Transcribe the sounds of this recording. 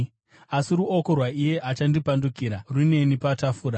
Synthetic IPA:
asiruo̞ko̞rwaije̞ʔat͡ʃandipandukiɾarune̞nipatafuːɾa

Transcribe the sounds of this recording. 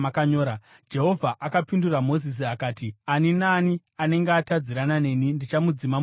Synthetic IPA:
akaɲoːɾa | d͡ʒe̞ɦo̞vʱaʔakapinduramo̞zis̬iakaːtianinaːni | ane̞ŋɡeatad͡ziɾanane̞ːnindit͡ʃamud͡zima

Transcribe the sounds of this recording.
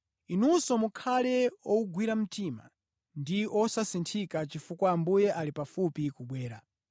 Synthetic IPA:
inusɔmukʰalɛɔuɡwiɾam̩tima̰ | ndiʔɔsasintʰikat͡ʃifukwaːmbujɛʔalipafupikuɓwɛːɾa

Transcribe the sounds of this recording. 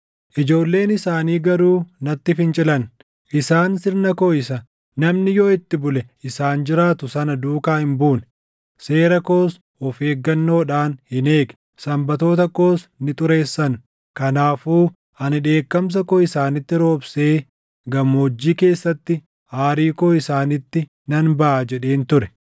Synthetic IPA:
ʔɪd͡ʒo̞ːlːe̞ːnɪsaːniːɡɐɾuːnɐt̪ːɪfɪnt͡ʃʼɪlɐn | ʔɪsaːnsɪɾnɐkoɪsɐ | nɐmnɪjoːɪt̪ːɪbʊlɛɪsaːnd͡ʒɪɾaːt̪ʊsɐnɐd̪uːkaːhɪmbuːn | se̞ːɾɐko̞ːs | ɔfe̞ːɡːɐnːo̞ːᶑaːnhɪne̞ːɡɛ̥ | sɐmbɐt̪o̞ːt̪ɐko̞ːsnɪt̪ʼʊɾe̞ːsːɐn | kɐnaːfuː | ɐnɪᶑe̞ːkːɐms̬ɐkoɪsaːnɪt̪ːɪɾo̞ːbseː | ɡɐmːoːd͡ʒːiːke̞ːsːɐt̪ːɪ | haːɾiːkoːɪsaːnɪt̪ːɪ | nɐnbɐʔaːd͡ʒɛᶑe̞ːnt̪ʊɾɛ

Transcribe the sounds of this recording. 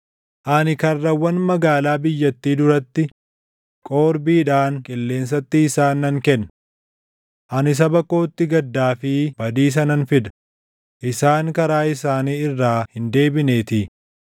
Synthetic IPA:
ʔɐnɪkɐrːɐwːɐnmɐɡaːlaːbɪjːɐt̪ːiːd̪ʊɾɐt̪ːɪ | kʼo̞ːɾbiːᶑaːŋkʼɪlːe̞ːns̬ɐt̪ːɪːsaːnːɐŋkɛnːɐ | ʔɐnɪs̬ɐbɐkːo̞ːt̪ːɪɡɐd̪ːaːfɪbɐd̪iːs̬ɐnɐnfɪd̪ɐ̥ | ʔɪsaːŋkɐɾaːɪs̬aːniːɪrːaːhɪnd̪e̞ːbɪne̞ːt̪ɪ

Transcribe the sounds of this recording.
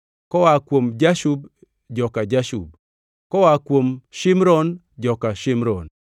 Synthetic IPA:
kɔwakwomd͡ʒaʃub̚ | d͡ʒɔkad͡ʒaʃṵb̚ | kɔwakwomʃɪmɾɔn | d͡ʒɔkaʃɪmɾɔn

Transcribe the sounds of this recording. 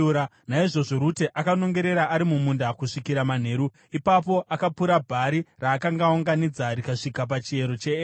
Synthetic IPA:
ɾa | naiʐo̞ʐo̞ɾuteʔakano̞ŋɡe̞ɾe̞ɾaʔaɾimumundakuʂikiɾaman̤e̞ːɾu | ipapo̞ʔakapuɾabʱaɾiraːkaŋɡaoŋɡanid͡zaɾikaʂikap̬at͡ʃie̞ɾo̞t͡ʃeː

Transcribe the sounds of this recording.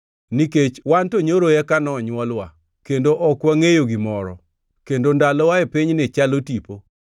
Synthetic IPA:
niket͡ʃwantoɲoɾojɛkanɔɲwɔlwa | kendoʔɔkwaŋejoɡimɔɾɔ̰ | kendondalɔwaepiɲnɪt͡ʃalotipo

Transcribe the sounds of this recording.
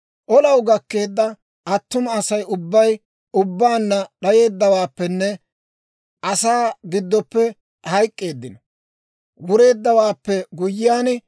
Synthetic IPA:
ʔɔlɐwɡɐkːe̞ːd̪ːɐ | ʔɐt̪ːʊmɐːsɐjʊbːɐj | ʊbːaːnːɐɗɐje̞ːd̪ːɐwaːpːɛnːɛ | ʔɐsaːɡɪd̪ːɔpːɛ | hɐjkʼːe̞ːd̪ːɪnɔ | wʊɾe̞ːd̪ːɐwaːpːɛɡʊjːɪjaːn

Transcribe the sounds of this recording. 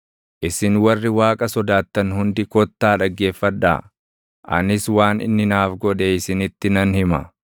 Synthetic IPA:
ʔɪsɪnwɐrːɪwaːkʼɐsɔd̪aːt̪ːɐnhʊnd̪ɪkɔt̪ːaːᶑɐɡːe̞ːfːɐᶑa̰ː | ʔɐ̰nɪswaːnɪ̰nːɪnaːfɡɔᶑeːɪsɪnɪt̪ːɪnɐnhɪmɐ̰

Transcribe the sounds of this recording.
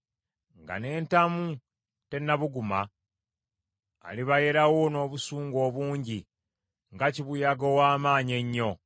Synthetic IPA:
ŋɡa̰ne̞ːntamu | te̞nːaβuɡuma | liβaje̞ɾawono̞ːβusuːŋɡo̞ːβuːɲɟi | ŋɡaciβujaɡowaːmaːɲe̞ɲːo̞

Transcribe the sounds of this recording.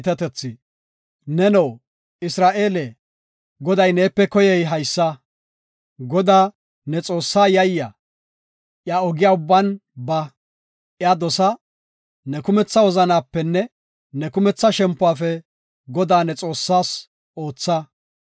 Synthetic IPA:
t̪ɛt̪ɛt͡sːɪ | nɛnɔw | ɪsɾaːʔe̞ːlɛ | ɡɔd̪ɐjneːpːɛkɔjɛjɦɐjsːɐ | ɡɔd̪aː | nɛt͡sʼo̞ːsːaːjɐjːɐ | ʔjaɔɡɪjaːʊbːɐnbɐ | ʔjaːd̪ɔsɐ | nɛkʊmɛt͡sːɐwɔzɐnaːpːɛnːɛ | nɛkʊmɛt͡sːɐʃɛmpːʊaːfɛ | ɡɔd̪aːnɛt͡sʼo̞ːsːaːs | ʔo̞ːt͡sːɐ

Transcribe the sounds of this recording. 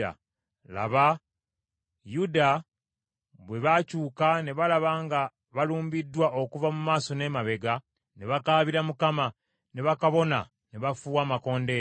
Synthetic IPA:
a̰ | la̰βa | juda | βwe̞βacuːkane̞βalaβaːŋɡa | βaluːmbidːwaʔo̞kuvamumaːso̞ne̞maβe̞ɡa | ne̞βakaːβiɾamukama | ne̞βakaβo̞na | ne̞βafuːwaːmako̞ːnde̞

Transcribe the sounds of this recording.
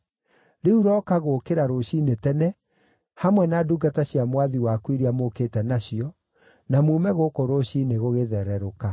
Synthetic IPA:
ɾeuɾɔkaɣokeɾaɾoɕinetɛnɛ | hamwɛnaːduɡataɕjamwaðiwakwiɾiamokeːtɛnaɕiɔ | namuːmɛɣokoɾoɕineɣoɣeðɛɾɛɾoka

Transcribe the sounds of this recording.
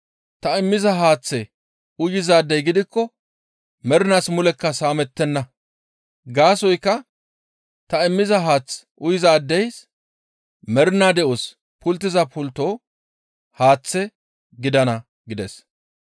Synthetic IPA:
t̪ɐɪmːɪzɐɦaːt͡sːɛ | ʊjɪzaːd̪ːɛjɡɪd̪ɪkːɔ | mɛɾnaːsmʊlɛkːɐsaːmɛt̪ːɛnːɐ | ɡaːsɔjkːɐ | t̪ɐɪmːɪzɐɦaːt͡sːʔʊjɪzaːd̪ːɛjs | mɛɾnaːd̪ɛʔos | pʊlt̪ːɪzɐpʰʊlt̪o̞ː | haːt͡sːɛ | ɡɪd̪ɐnɐ | ɡɪd̪ɛs

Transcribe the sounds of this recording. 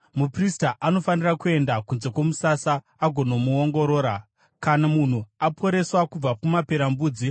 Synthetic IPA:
mupristaʔano̞fanirakue̞ndakunze̞kwo̞musasaː | ɡʱo̞no̞muoŋɡo̞ɾo̞ːɾa | kanamun̤uapʰo̞ɾe̞swakub͡vakumape̞ɾambuːd͡zi

